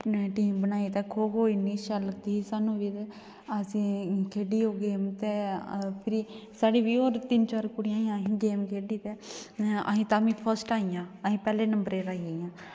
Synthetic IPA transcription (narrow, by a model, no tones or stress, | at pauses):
ʈiːmbənaːiːt̪ɛːkʰoːɦoːiniːʃaːləɡd̪iːiːsaːnũːʋiːt̪eː | əsĩːkʰeːɖiːoːɡeːmt̪eːpʰɪɾiːsaːɽiːʋiːoːɾt̪ɪnt͡ʃaːɾkʊɽɪjaːiãːɦĩɡeːmkʰeːɖiːt̪eːə̰ɦĩːt̪aːmĩːpʰəɾsʈaːijãːəɦĩːpɛːleːnəmbəɾeːɾaːiajãː